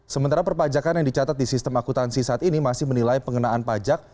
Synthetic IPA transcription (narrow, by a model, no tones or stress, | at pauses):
səmənt̪aɾapərpad͡ʒakanjaŋdit͡ʃat̪at̪̚disist̪əmakut̪ansisaat̪inimasɪhmənilaipəŋənaanpad͡ʒak̚